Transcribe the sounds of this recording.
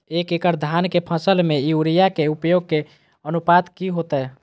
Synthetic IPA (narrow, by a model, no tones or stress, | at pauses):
ekekəɾd̪ʱankepʰəsəlmeijuɾijakeupjoɡ̚ke | ənupad̪kiɦot̪ɛ